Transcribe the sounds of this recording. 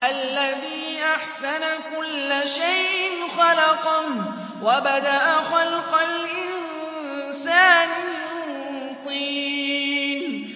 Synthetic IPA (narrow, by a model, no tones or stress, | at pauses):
ʔalːaðiːʔaħsanakʊlːaʃajʔɪnxɑlɑqɑn | wabad̪aʔaxɑlqɑlʔɪn | saːnɪmʊ | t̪ˤiː | n